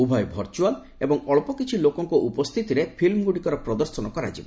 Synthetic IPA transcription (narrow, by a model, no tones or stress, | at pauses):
ubʱɔjbʱɔɾt͡ʃual | ebɔŋɔɭpɔkit͡ʃʰilokɔŋkɔʔupɔst̪ʰit̪iɾepʰilmɡuɽikɔɾɔpɾɔd̪ɔɾsɔnɔkɔɾa̰d͡ʒibɔ